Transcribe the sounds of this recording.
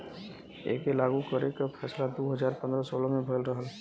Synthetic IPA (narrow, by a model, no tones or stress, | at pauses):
ḛːkelaɡukəɾekapʰɛːslad̪oɦəd͡ʒaːɾpə̃nd̪ɾəsoːlmebʱəlɾəɦəl